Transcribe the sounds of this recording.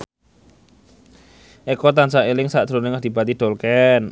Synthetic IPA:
ʔekɔt̪ansaʔelɪŋsaʔd̪̥ɾonɪŋad̪̥i̤b̥at̪iɖ̪̥ɔ̤lkɛn

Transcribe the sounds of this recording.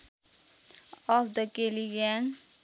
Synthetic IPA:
ɔfd̪əkeliɡɛ̃n

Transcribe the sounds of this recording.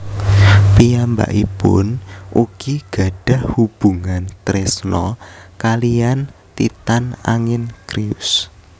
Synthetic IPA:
piamba̰ʔipʊ̰nʔukiɡ̥a̤ɖ̥a̤hhub̥uŋant̪ɾesnɔkaliant̪it̪ana̰ŋɪnkɾiʊs

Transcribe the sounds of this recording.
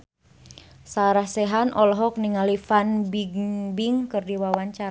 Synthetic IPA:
saɾahsɛɦanʔɔlɔɦɔk̚niŋalifanbiɡbiŋkɨrdiwawaɲt͡ʃaɾ

